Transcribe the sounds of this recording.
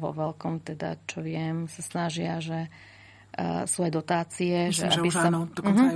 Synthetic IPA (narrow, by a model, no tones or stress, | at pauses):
ʋɔ̰ʋɛlkɔmt̪ɛd̪a̰t͡ʃɔʋɪɛmsasnaʒɪaʒɛ | suajd̪ɔt̪aːt͡siɛʒɛa̰bisad̪ɔɦ